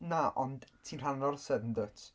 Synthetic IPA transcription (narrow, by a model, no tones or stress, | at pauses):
naʔɔnd̥tʰiːnr̥anrɔrsɛdəndətʰ